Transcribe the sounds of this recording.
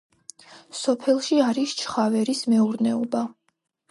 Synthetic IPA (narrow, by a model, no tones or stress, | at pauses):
sɔpʰɛlˠʃiaɾist͡ʃʰχavɛɾismɛuɾnɛɔba